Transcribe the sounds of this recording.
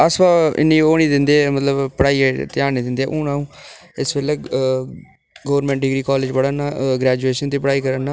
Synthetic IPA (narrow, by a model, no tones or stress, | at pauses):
əsbaːɪ̰nːĩːoːnĩːd̪ɪnd̪eːɛmət̪ləbpəɽaːiːt̪ɪaːniːd̪ɪ̃nd̪eɛʔũːnãːũː | ɪsbeːleː | ɡoːʋəɾmɛ̃ːɳʈ̚ɖɪɡɾiːkɔːled͡ʒbəɽaːnaːɡɾɛːd͡ʒueːʃənt̪iːpəɽaːiːkəɾənaː